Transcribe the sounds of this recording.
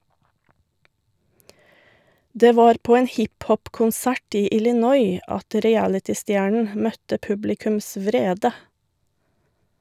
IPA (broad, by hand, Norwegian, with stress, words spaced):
ˈdeː ˈʋɑːɾ ˈpoː ˈeːn ˈhɪpˌhɔpkʊnˌsæʈ ˈiː ɪlɪˈnɔʏ ˈɑt ɾɪˈælɪtɪˌstjæːɳɳ̩ ˈmœtə ˈpʉblɪkʉms ˈʋɾeːdə